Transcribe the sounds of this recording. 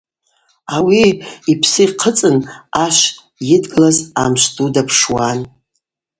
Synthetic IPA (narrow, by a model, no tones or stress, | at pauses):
awiipʰsɨqʰət͡sʼɨnaʃʷ | jɪdɡɨlazamʃʷtʼudapʰʂwan